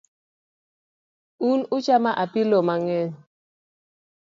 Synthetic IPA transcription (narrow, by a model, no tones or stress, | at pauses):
unut͡ʃamaʔapilɔmaŋɛn